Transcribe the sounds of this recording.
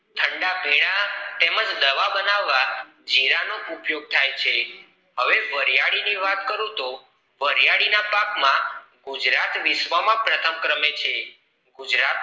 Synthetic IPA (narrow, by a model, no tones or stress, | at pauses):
t̪ʰəɳɖabʱiɽ̃at̪eməd͡ʒd̪əʋabənaʋːa | d͡ʒiɾanoʔupjoɡ̚t̪ʰajt͡ʃʰe | ɦəʋeʋəɾjaɽiniʋat̪kəɾũt̪o | ʋəɾjaɽinapakmãɡud͡ʒɾat̪ʋiʃʋəmãpɾət̪ʰəmkɾəmet͡ʃʰe | ɡud͡ʒɾat̪